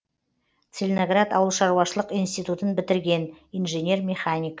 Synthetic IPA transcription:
t̪selʲnoɡrat̪ɑwəlˠʃɑɾuwɑʃəlˠəqijnst̪ijt̪ut̪ənbɪt̪ɪɾɡʲe̞nijnʒenʲe̞rmʲeχanʲijk

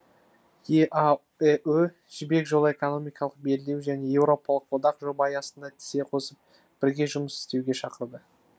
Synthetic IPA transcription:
jeʔa | eʔɵ | ʒɪbe̞kʒo̞lˠəe̞ko̞no̞mijkɑlˠəq̚be̞lɪd̪ewʒæne̞je̞wɾo̞pɑlˠəqwod̪ɑqʒo̞bɑjɑsənd̪ɑt̪ʰɪ̥se̞qʰo̞səp̚ | b̥ɪɾɡʲe̞ʒʊməsɪ̥st̪e̞wɡʲe̞ʃɑqəɾd̪ə

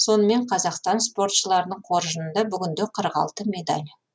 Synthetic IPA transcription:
so̞nəme̞ɴqʰɑzɑqst̪ɑnspo̞rt̪ʃəlˠɑɾənəɴqʰo̞ɾʒənənd̪ɑbʏɡʲɪnd̪eqʰəɾʁɑ̰lˠt̪əme̞d̪ɑ̰lʲ

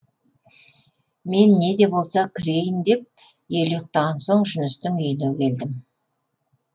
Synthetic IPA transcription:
me̞nːe̞d̪e̞bo̞lˠsɑkʲʰɪɾe̞jɪnd̪e̞p̚ | je̞lojq̚t̪ɑʁɑnso̞ɴʒʏnɪst̪ɪŋɵjɪnɵkʲʰe̞ld̪ɪm

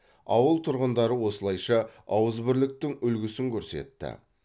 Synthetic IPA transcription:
ɑwəlˠt̪ʰʊɾʁənd̪ɑɾəwo̞səlˠɑjʃɑɑwəzbɪɾlɪk̚t̪ɪŋʏlɡʲɪsɪŋkʲʰɵɾse̞̰t̪ːɪ̰

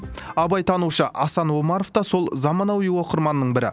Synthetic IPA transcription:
ɑbɑjt̪ʰɑnuʃəʔɑsɑnwo̞mɑɾoft̪ɑso̞lˠzɑmɑnɑwiwo̞qəɾmɑnːəɴbɪɾɪ̰

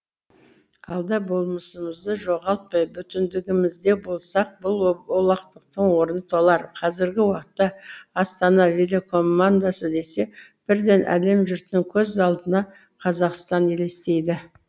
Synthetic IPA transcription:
ɑlˠd̪ɑbo̞lˠməsəməzd̪əʒo̞ʁɑlˠt̪̚pɑjbʏt̪ɪnd̪ɪɡʲɪmɪzd̪e̞bo̞lˠsɑq̚bʊlˠo̞lˠɑqt̪əq̚t̪əɴwo̞ɾənət̪ʰolˠɑɾqʰɑzɪɾɡʲɪwɑqət̪ːɑːst̪ɑnɑvelʲekʰo̞mːand̪asəd̪e̞se̞b̥ɪɾd̪e̞nʔæ̰le̞mʒʏɾt̪ɪŋkʲʰɵzɑlˠd̪ənɑ | qʰɑzɑqst̪ɑne̞le̞st̪e̞jd̪ɪ

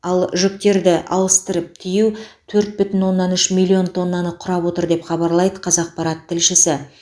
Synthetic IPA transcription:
ɑlˠʒʏk̚t̪e̞ɾd̪ɪʔɑ̰lˠəst̪əɾəp̚t̪ʰijɪwt̪ʰɵɾt̪̚bʏt̪ɪnwo̞nːɑnʏʃmilʲːio̞nt̪ʰo̞nːɑnəqʰːʊɾɑpwo̞t̪əɾd̪e̞pχɑbɑɾlˠɑjd̪əqʰɑzɑq̚pʰɑɾɑt̪ʰːɪlʃɪsɪ

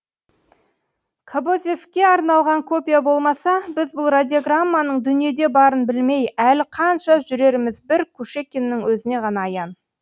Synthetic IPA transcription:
kʰabozʲefkʲe̞ɑɾnɑlˠʁɑŋkʰo̞pʲijabo̞lˠmɑsɑbɪzbʊlˠrad̪ʲioɡramːanəɴd̪ʏnije̞d̪e̞bɑɾənbɪlme̞jælqʰɑnʃɑʒʏɾe̞ɾmɪzbɪɾkʲʰuʃe̞kʲenːɪŋwɵzɪne̞ʁɑnɑːjɑn

